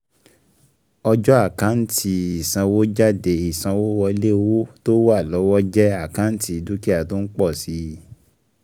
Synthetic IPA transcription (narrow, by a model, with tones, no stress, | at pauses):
ɔ˧d͡ʒɔ˦a˦˨kã˨˦n̩˦tʰi˧i˨sã˧wo˦d͡ʒa˦˨de˨i˨sã˧wo˦wɔ˧˦le˦wo˦to˦wa˦˨lɔ˨˦wɔ˦d͡ʒɛ˦a˦˨kã˦n̩˦ti˧˦˧du˦ki˦a˦˨to˦n̩˦k͡pɔ˦˨si˨˦